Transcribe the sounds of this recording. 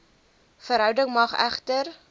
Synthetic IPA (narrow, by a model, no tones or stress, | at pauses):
fəɾɦœwdəŋmɐχæ̰χtər